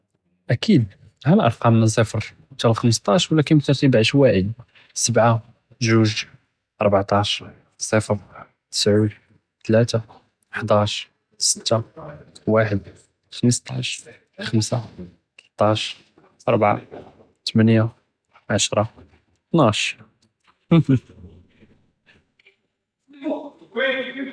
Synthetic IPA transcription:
ʔækid̪ | hælʔɑ̰ɾˤqɑmnæs̬ˤəfəɾ | t̪ælxəmst̪ˤɑʃwlækənbt̪əɾˤt̪ibʕəʃwaʕəd̪ | səbʕa | ʒuʒ | ʔɑɾˤbaʕt̪ˤɑʃ | sˤəfəɾ | t̪ə̥sʕud̪ | t̪læt̪a | ʔəħd̪ɑʃ | sə̥t̪ːawaħəd̪ | xəməst̪ˤɑʃ | xəmsa | t̪əlt̪ˤɑʃɾ | ʔɑɾˤbʕa̰ | t̪mənja | ʕaʃɾˤɑ | t̪naʃ

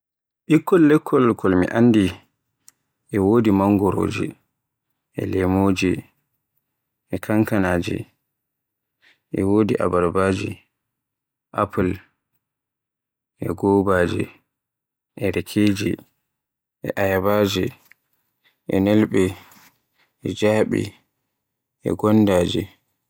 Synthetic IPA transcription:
ʔikːɔlːɛkʰːɔlkʰɔlmḭʔanːdi | ʔɛwoːdimaŋɡɔɾo̰ːd͡ʒḭ | ʔɛ̰lɛmod͡ʒi | ʔɛkʰaŋkanaːd͡ʒɛ̰ | ʔɛwodiʔa̰baɾbaːd͡ʒi | ʔapul | ʔɛ̰ɡɔːbad͡ʒḭ | ʔɛɾɛkʰeːd͡ʒḭ | ʔɛ̰ʔajabaːd͡ʒi | ʔɛnɛlɓɛ | ʔɛd͡ʒaːɓḭ | ʔɛ̰ɡɔnːdaːd͡ʒi

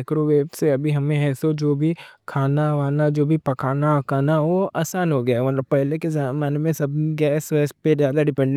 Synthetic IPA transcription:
kɾoʋeːbseɐbʱiɦɐmẽɦɛːsod͡ʒoːbʱikʰaːnaʋaːnad͡ʒoːbʱipɐkaːnakaːnaʋoaːsaːnɦoɡɐjamɐt̪ləb̚pɛɦlekezamaːnemẽsɐb̚ɡɛːsʋɛːspezjaːd̪aɖɪpɛ̃ɳɖ

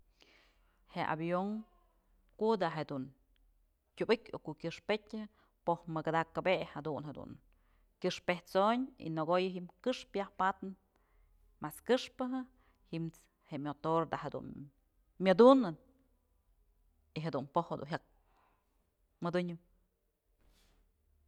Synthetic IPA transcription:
heʔa̰bjoŋ | kud̪aʔɦed̪un | kʲubɨkʲokuʔkʲɨʂpetʲ | pohmɨɡad̪akabeʔhad̪unhed̪ṵn | kʲɨʂpeht͡soɲḭnoɡojɨɦimkɨʂpjahpat̪nɨn | maskɨʂpɨɦɨ | himt͡s | heʔmʲot̪oɾd̪ahed̪ṵn | mʲod̪unɨn | iɦed̪unpohed̪ṵnɦak̚ | mɨd̪ɨɲɨ

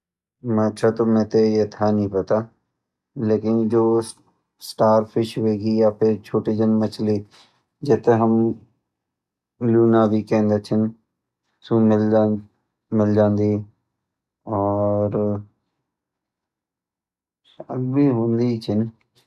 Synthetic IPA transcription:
mə̃t͡ʃʰat̪omɛ̃t̪ejet̪ʰanəɦĩpɐt̪a | leːkɪnd͡ʒoː | sʈaːɾpʰɪʃɦoeːɡijapʰɪɾt͡ʃʰoːʈid͡ʒənmɐt͡ʃʰli | d͡ʒeːt̪eɦəm | luːnaːbʱikɛ̃ːnd̪et͡ʃʰən | sumɪl | mɪld͡ʒãːnd̪i | ɔːɾ | ʃəɡbʱiɦõːnd̪it͡ʃʰən

